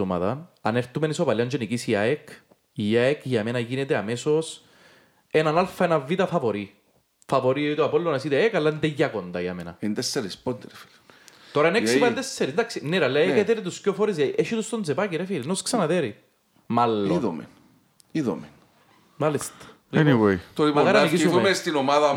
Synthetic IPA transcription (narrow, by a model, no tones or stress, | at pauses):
omɐ̰ðɐnɐneɾt̪umenisopɐliɐnd͡ʒonikisiaek | iaekʝɐmenɐʝinet̪eɐmesos | enɐnalfɐenɐvːit̪ɐfɐvoɾi | fɐvoɾieit̪uɐpolːonesit̪eekɐlːɐind̪eʝːɐkond̪ɐjɐ̰menɐ̰ind̪esːɐɾispond̪eɾefi̥l | t̪oɾɐeneksipɐnd̪esːɐɾind̪ɐksinːeɾɐlːɐeket̪eɾet̪uskofoɾiz̬ɐiʔeʃit̪ust̪onzepɐkiɾefiɾinosksɐnɐðeɾi | mɐlːoiðo̰mḛn | iðo̰men | malist̪ɐ̥ | lɛniwejt̪olipokɐɾɐniisumest̪inomaðɐ